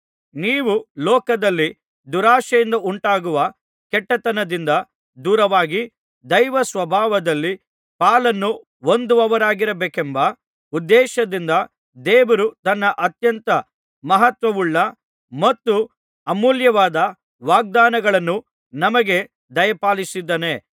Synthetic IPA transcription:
niːʋulɔːkɐd̪ɐlːi | d̪uɾaːʃɐjind̪ɐuɳʈaːɡuʋɐ | kɛʈːɐt̪ɐnɐd̪ind̪ɐ | d̪uːɾɐʋaːɡi | d̪ɐjʋɐsʋɐbʱaːʋɐd̪ɐlːi | paːlɐnːu | o̞nd̪uɐʋɐɾaːɡiɾɐbeːkembɐ | ud̪ːɛːʃɐd̪ind̪ɐ | d̪eːʋɐɾut̪ɐnːɐʔɐt̪jɐnt̪ɐ | mɐɦɐt̪ʋɐʋuɭːɐ | mɐt̪ːu | ɐmuːljɐʋaːd̪ɐ | ʋaːɡ̚d̪aːnɐɡɐɭɐnːu | nɐmɐɡe̞ | d̪ɐjɐpaːlisid̪ːɐne

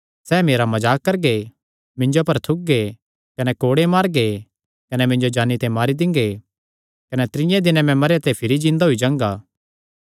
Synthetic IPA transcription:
sɛːmeːɾamɐd͡ʒaːkːɐɾɡe | mɪ̃ɲd͡ʒopɐɾt̪ʰʊk̚ɡe | kɐnɛkoːɽemaːɾɡe | kɐnɛmɪ̃ɲd͡ʒod͡ʒaːnːit̪emaːɾid̪ɪ̃ŋɡe | kɐnɛt̪ɪɾɪ̃jãd̪ɪnɛ̃mɛ̃mɐɾjat̪epʰɪɾid͡ʒɪ̃ːnd̪aɦuid͡ʒãːŋɡaː

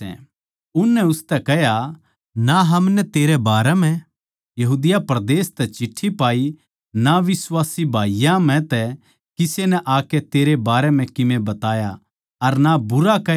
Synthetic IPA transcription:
ɛ̰̃ | ʊnːɛʊst̪ɛkɛɦja | naɦɐmnɛt̪eːɾebaːɾɛm̤ɛ̃ | jɐɦuːd̪ɪjapɾɐd̪eːst̪ɛt͡ʃɪʈʰːipaːi | naʋɪswaːsibʱaːijãm̤ɛ̃t̪ɛ | kɪsenɛʔaːkɛt̪eːɾebaːɾɛm̤ɛ̃kɪmẽbɐt̪aːja | ɐɾnabʊɾakɛ

